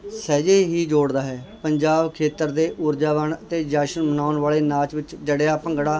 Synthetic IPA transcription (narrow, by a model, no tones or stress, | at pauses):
sɛːd͡ʒeːɦiːd͡ʒoːɽd̪aːɦɛːpəɲd͡ʒaːbkʰeːt̪əɾd̪eːʔʊɾd͡ʒaːʋanət̪eːd͡ʒaːʃənmənaːʊnʋaːɭeːnaːt͡ʃʋɪt͡ʃd͡ʒəɽejaːpəŋɡɽaː